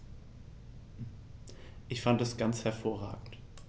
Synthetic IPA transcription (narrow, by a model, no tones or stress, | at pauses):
ʔɪçfantɛsɡ̥ant͡shɛɐfoːɐʁa̰ːɡŋ̩t